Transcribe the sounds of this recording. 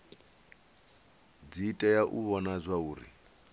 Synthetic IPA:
d͡zitʼajaʔuβɔnazʷauːɾḭ

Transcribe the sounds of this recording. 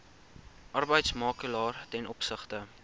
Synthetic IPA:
ʔɐrbəjtsmɑːkəlɑːrtɛnʔɔpsəχtə

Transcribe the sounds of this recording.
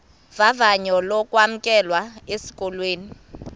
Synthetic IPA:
vavaɲɔlɔkʼwam̩kʼɛlwaesi̥kʼɔlweːni

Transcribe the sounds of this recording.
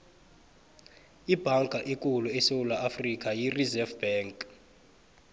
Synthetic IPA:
ib̥ʱaŋkʼaʔikʼuluɛsewulaʔafrik̬ʼajirizɛfb̥ɛːŋkʼ

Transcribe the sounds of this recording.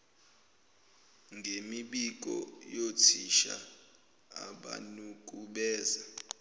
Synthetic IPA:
ŋɡʱemiɓik̬ʼɔ̰jotʰiʃa̰ | aɓa̰nuk̬ʼuɓɛːza

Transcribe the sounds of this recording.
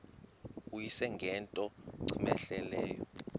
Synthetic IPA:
ujisɛŋɡʱɛntʼɔǀʰimɛɬɛlɛːjɔ

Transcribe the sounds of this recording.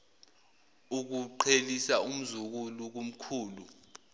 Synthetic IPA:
uk̬uǃʰelisaum̩zuk̬uluk̬um̩kʰuːlu

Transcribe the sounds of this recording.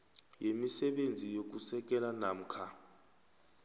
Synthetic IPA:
jemisɛɓend͡zʱijok̬usɛk̬ʼɛlanam̩kʰa

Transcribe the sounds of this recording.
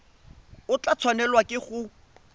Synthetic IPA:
ʊt͡ɬat͡sʰwanɛlwakʼɪχʊ

